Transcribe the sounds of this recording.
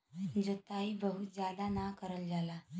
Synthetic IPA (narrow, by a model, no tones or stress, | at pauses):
d͡zət̪aibəɦut̪̚d͡zjad̪anakəɾəld͡zala